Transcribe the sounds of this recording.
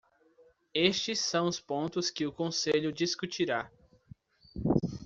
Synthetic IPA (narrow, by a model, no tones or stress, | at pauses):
est͡ʃɪsːɐ̃w̃ʊspõnt̪ʊskɪʊkõseʎʊd͡ʒiskut͡ʃiɾa